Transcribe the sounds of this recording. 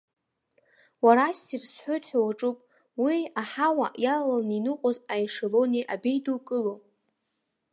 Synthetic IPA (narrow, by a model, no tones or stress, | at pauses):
waɾasirsħʷojtʼħʷᶣawaʈ͡ʂʼupʼ | wiaħawaʔjalalaninɨqʼozajʂaloneʔabejdukʼɨlo